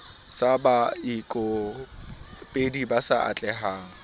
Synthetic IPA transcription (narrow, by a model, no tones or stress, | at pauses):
sabaikʼɔ | pʼedibasaa̰t͡ɬʼɛɦaːŋ̩